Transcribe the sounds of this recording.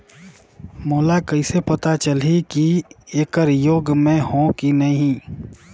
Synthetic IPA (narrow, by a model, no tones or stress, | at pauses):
moːlakɐɪsepɐt̪at͡ʃɐlikieːkəɾjoːɡmẽɦõkinɐɦĩ